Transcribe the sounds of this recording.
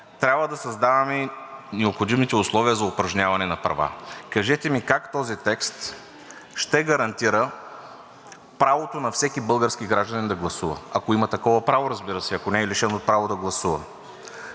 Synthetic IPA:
t̪ɾʲabvəd̪ɐsɐzd̪avɐmɛnɛopxod̪imit̪ɛʊslˠɔviəzɐʊpɾɐʒnʲavɐnɛnɐpɾɐ̰va̰kɐʒɛt̪ɛmikakt̪ɔzit̪ɛkst̪ | ʃt̪ɛɡɐɾɐnt̪iɾə | pɾavot̪onɐfsɛkʲibɤlˠɡəɾskiɡɾaʒd̪ɐnind̪ɐɡlˠɐsuvɐ̰ɐkoimɐt̪ɐkɔvɐpɾavoɾɐzbiɾəsɛɐkonɛːliʃɛnot̪̚pɾavod̪ɐɡlˠɐsuvɐ̰

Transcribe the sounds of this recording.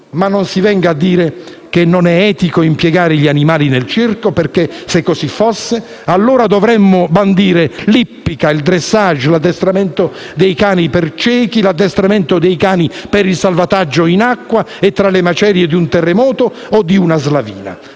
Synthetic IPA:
manːonsivɛŋɡaad̪ːiːɾe | kenːonɛɛːt̪ikoimpjɛɡaːɾɪʎianimaːlinelt͡ʃirkoperkesekːosifːosːe | alːoːɾad̪ovɾɛmːʊband̪iːɾelipːikaild̪ɾesːaʒːlad̪ːɛst̪ɾamɛnt̪o | d̪ejkaːnipert͡ʃɛːkilad̪ːɛst̪ɾamɪnt̪od̪ejkaːnipeɾilsalvat̪ad͡ʒːoinakːwaet̪ːɾalemat͡ʃɛːɾjed̪iunt̪ɛrːemɔːt̪oː | d̪iunazlavḭːna̰

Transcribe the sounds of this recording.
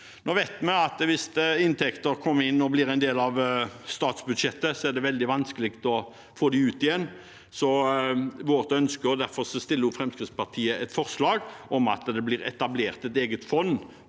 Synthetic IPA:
nɔʋæɪt̪mɛɑt̪ʋɪst̪ɪnt̪ʰɛkt̪əɾkʰɔmːəɾɪnːɔblɪɾɛɪnd̪eːlɑʋst̪ɑːt̪sbʉd̪ʃɛt̪ːəsɔæɖ̪ɛʋɛld̪ɪʋɑnskəlɪkt̪ɔ | foːd̪ɪʉːt̪ɪjɛnː | sɔ | ʋoːʁət̪œnskəʊd̪æɾfɔʁsɔst̪ɪlːəʊfɾɛmskɾɪt̪spɑʁt̪ʰiːəʔɛt̪fɔɾslɑːɡɔmɑ̰t̪d̪ɛblɪɾɛ̰t̪ɑbleːʁt̪ɛt̪eːɡət̪fɔnː

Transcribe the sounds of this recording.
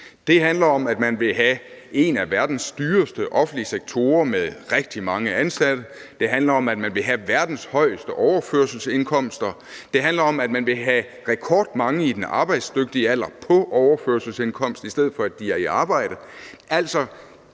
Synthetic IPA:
d̥e̝ɦænlɐɒ̽mæd̥mænʋe̝ɦæe̝næʋæɐd̥n̩sd̥yːɐsd̥əʔɒ̽fn̩d̥liəseɡ̥̚t͡sʰo̝ːɐmeðˠʁɛɡ̥̚d̥imɑ̈ŋəænsæd̥əd̥e̝ɦænlɐɒ̽mæd̥mænʋe̝ɦæʋæɐd̥n̩shɒ̽ɪ̰əsd̥əʔɒʊɐføɐsl̩se̝nkʰɒ̽m̰sd̥ɐ | d̥e̝ɦænlɐɒ̽mæd̥mænʋe̝ɦæ | ʁɛkʰɒːd̥̚mɑ̈ŋəid̥enʔɑ̈ːb̥ɑ̈ɪ̰d̥sd̥øɡ̥̚d̥iəæl̰ɐpʰɒ̽ʔɒʊɐføɐsl̩senkʰɒ̽m̰sd̥isd̥eð̰̩ˠfɒ̽æd̥iæɐiɑ̈ːb̥ɑ̈ɪ̰ɾ̥əʔæl̰sɒ̽

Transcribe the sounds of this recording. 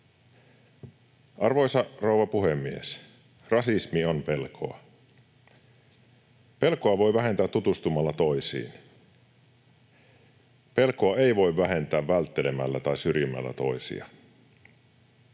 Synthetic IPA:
ʔɑrʋo̞jsɑrouʋɑpuhemːiḛs | rɑsismio̞mpe̞lkʰo̞̰ɑ̰ | pe̞lkoɑʋo̞jʋæɦe̞nt̪æːt̪ːut̪ust̪umɑlːɑt̪o̞jsḭːn | pe̞lkoɑe̞iʋo̞jʋːæɦe̞nt̪æːʋʋælt̪ːe̞le̞mæ̰lːæt̪ɑjsyrjymːæ̰lːæ̰t̪o̞jsḭɑ̰

